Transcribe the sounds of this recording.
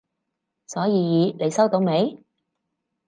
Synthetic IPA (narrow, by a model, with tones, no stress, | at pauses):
sɔː˨˥jiː˨˧jiː˨˧ne˨˧jsɐ˥wt̪o˧wme˨˧j